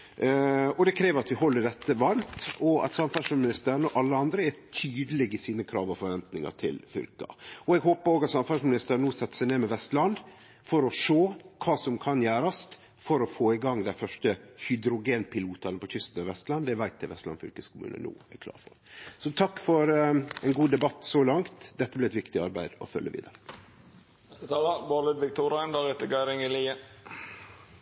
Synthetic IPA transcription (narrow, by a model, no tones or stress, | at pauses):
ɔd̪ɛkʰɾeːʋəɾɑt̪ʋɪhɔlːəɖɛt̪ːəʋɑnt̪ɔɑ̰t̪sɑmfæʂəmɪnɪst̪əɾənəɔʔɑlːəɑnd̪ɾəæt̪ʰyːd̪əlɛɡɪsiːnəkʰɾɑ̰ːʋɔfɔɾʋɛnt̪nɪŋɑ̰ʈʰɪ̰lfʏ̰lkɑ̰ɔɛɡɦoːpəɾoːɡɑt̪sɑmfɑʂmɪnɪst̪əɾnuːsɛt̪ːsæɪneːmɛʋɛst̪lɑnd̪ | fɔɾɔʂoːkʰɑːsɔmkʰɑnjæːɾɑst̪ | fɔɾɔfoːɪɡɑŋːd̪æɪfœʂʈəhʏd̪ɾʊɡeːnpʰɪluːt̪ɑnəpʰɔçʏst̪n̩ɑʋɛst̪lɑnd̪ɛʋæɪt̪̚ɛʋɛ̰st̪lɑ̰nfʏ̰lkəskʰʊmʉ̰ːnə̰nṵːæ̰ɾkʰlɑ̰ːɾfɔ̰ | sɔt̪ʰɑkːfɔɾɛnɡuːd̪ɛbɑt̪ːsɔlɑŋt̪d̪ɛt̪ːəblɛɪɛt̪ʋɪkt̪ɪɑɾbæɪd̪ɔ̰fœ̰lːʔə̰ʋḭːd̪ə̰ɾə | t̪ɑləbɑːlɪd̪ʋɪk̚t̪ʰuːɾæɪnd̪ɑeːt̪əɡɑɪɾɪŋɪliːə